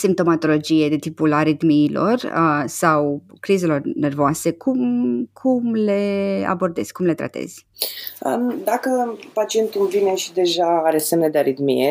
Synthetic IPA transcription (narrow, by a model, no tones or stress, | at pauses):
simp̚t̪o̞mat̪o̞lo̞d͡ʒije̞d̪et̪ipulaɾid̪miːlʔo̞̰rəsawkɾize̞lo̞rne̞rvoase̞kʰumkʰumle̞a̰bo̞rd̪e̞z̥ʲkumle̞t̪ɾa̰t̪e̞̰z̥ʲ | əd̪akəpat͡ʃie̞nt̪ulvine̞ʃid̪e̞ʒaaɾe̞semned̪eaɾid̪mḭe